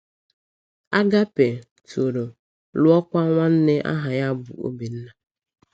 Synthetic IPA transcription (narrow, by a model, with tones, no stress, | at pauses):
a˦ɡa˦pe˨ | to˨ɾo˨ | lʊ˦ɔ˦kʷa˦ŋʷa˦n̩˦nɪ˦ʔa̰˦ɦa˨ja˦bʊ̰˨o̰˦bi˨n̩˦na˨